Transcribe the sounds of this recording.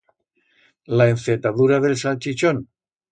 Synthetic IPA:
laeɱfet̪aðuɾaðelsalt͡ʃit͡ʃon

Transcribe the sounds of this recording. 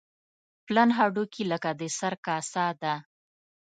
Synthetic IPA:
planɦɑɖukiləkad̪əsaɾkɑsɑd̪a

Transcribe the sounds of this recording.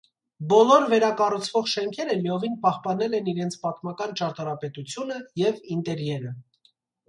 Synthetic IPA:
bɔlɔɾvɛɾɑkɑrut͡sʰvɔχʃɛŋkʰɛɾəliɔvinpɑχpɑnɛlɛniɾɛnt͡sʰpɑt̪mɑkɑnt͡ʃɑɾt̪ɑɾɑpɛt̪ut͡sʰjunəjɛvint̪ɛɾjɛɾə

